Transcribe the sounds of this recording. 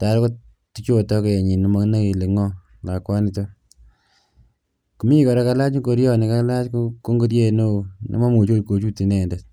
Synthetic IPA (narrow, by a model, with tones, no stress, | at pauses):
ta˨ɾko˦ | ti˦t͡ʃo˦˨tɔ˦ke˨je˨ɲi˨ni˨ma˧na˦ke˨le˨ŋɔ˦ | la˨kwa˦ni˦to˦ | ku˨mi˦kɔ˨ɾɛ˦ka˦la˦t͡ʃko˧ɾjɔ˦ni˨ka˦la˦t͡ʃkko˦ŋɡo˦ɾje˦˨no˦˨nʔḭ˦ma˦mo˨t͡ʃo˦t̚ko˨t͡ʃu˦ti˨nɛ˨nde˨t